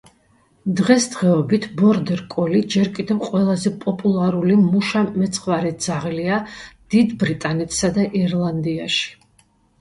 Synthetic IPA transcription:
d̪ʁɛsd̪ʁɛɔbit̪ʰbɔɾd̪ɛɾkʼɔlid͡ʒɛɾkʼid̪ɛvqʼwɛlˠazɛpʼɔpʼulˠaɾulimuʃamɛt̪sʰχvaɾɛd̪z̥aʁliad̪̥id̪bɾit̪ʼanɛt̪ʰsad̪aʔiɾlˠand̪iaʃi̥

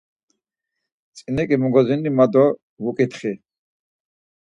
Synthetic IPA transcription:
t͡sʼinɛkʼimuɡɔzinːimad̪ɔ | vukʼit̪ʰχi

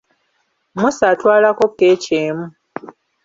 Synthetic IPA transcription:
musatwaːlakokːeːceːmu

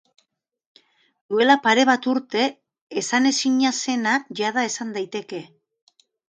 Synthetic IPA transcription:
d̪ue̞lapaɾe̞β̞at̪uɾt̪e̞ː | sane̞siɲase̞naʝað̞ae̞sand̪ajt̪e̞ke̞

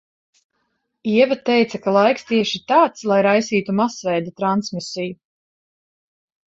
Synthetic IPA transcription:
iɛvat̪ɛjt̪sakalˠajkst̪iɛʃit̪aːt̪slˠajɾajsiːt̪umasvɛjd̪at̪ɾansmisiju

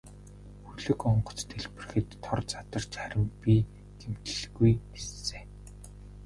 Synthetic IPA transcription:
xuɮɘ̆kɔɴɢɞ̆t͡st̪ʰeɮpɘ̆rxɘ̆t̪ʰːɔrt͡sat̪ə̆rt͡ɕχæɾʲɪ̆mpʲi | ɡ̪̥em̥t̪ɘ̆ɮɡujesːeː

